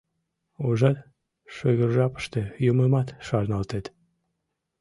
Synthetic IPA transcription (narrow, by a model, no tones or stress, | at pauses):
oʒɑt̪ | ʃøɣərʒɑpə̥ʃt̪ĕjoməmɑt̪ʃɑrnɑlt̪et̪